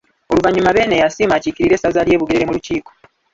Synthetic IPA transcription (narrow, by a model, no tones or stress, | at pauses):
o̞luvaɲumaβe̞ːnejasiːmaːcikiɾiɾe̞ːsazalje̞ːβuɡeɾeɾemuluciːko